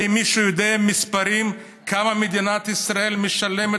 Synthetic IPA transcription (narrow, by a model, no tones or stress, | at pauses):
imːiʃujod̪eamispaɾim | kʰamamed̪inat̪isʁae̞lmeʃale̞me